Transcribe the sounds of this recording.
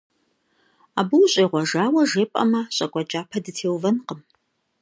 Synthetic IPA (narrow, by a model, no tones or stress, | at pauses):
aːbɨwɕʼeːʁʷɔʒaːwɐʒeːpʼɐ̰mɐɕʼɐkʷʼɐt͡ʃʼaːpʰɐdɨtʰeːwvɐnqəm